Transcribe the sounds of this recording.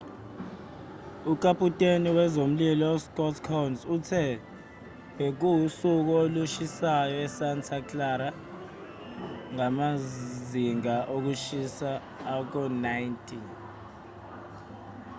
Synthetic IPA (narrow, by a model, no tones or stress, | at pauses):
ukʼapʼutʼeniwɛzom̩lilɔɔskʼɔtʰkʰɔwnzutʰɛ | wek̬uusuk̬ɔoluʃisajɔɛsantʰaklaɾa | ŋamaziŋaʔok̬uʃisaː | k̬ɔnajntʼi